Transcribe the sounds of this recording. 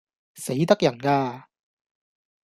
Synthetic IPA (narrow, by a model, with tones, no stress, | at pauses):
se˨˥jt̪ɐ˥k̚jɐ˨˩nkaː˧